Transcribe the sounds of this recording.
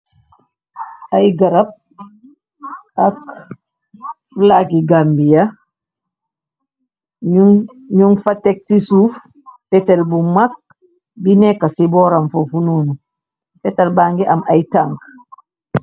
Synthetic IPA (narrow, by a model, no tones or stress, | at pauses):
ʔajɡɐɾɐp̚ | ak | flakiɡambija | ɲuŋfatːɛk̚tisuːf | fɛtɛlbumak̚ | binɛkːasibɔːɾamfofunuːnu | fɛtɛlbaːŋɡɛʔamʔajtaŋk